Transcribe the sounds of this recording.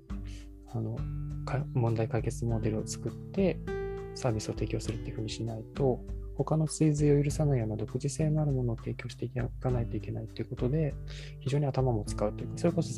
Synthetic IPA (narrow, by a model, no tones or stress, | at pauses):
ano̞kamõ̞nd̪aikaike̞t͡sɨmo̞d̪e̞ɾɯ̟o̞t͡sɨ̥kɯ̟t̪ːe̞saːbʲisɨo̞t̪e̞ːkʲo̞ːsɨɾɯt̪ːeiɯ̟ɸɯ̟ːɲ̟iɕinait̪o̞ho̞kano̞sɨizɨio̞jɯ̟ɾɯ̟sanaijo̞ːnod̪o̞kɯ̟ʑise̞ːnoaɾɯ̟mo̞no̞ːt̪e̞ːkʲo̞ːɕi̥t̪e̞ikanait̪o̞ike̞nait̪ːe̞iɯ̟ko̞t̪o̞d̪e̞ | çiʑo̞ːɲ̟iat̪amamo̞t͡sɨ̥kaɯ̟t̪ːeiɯksoɾe̞ko̞so̞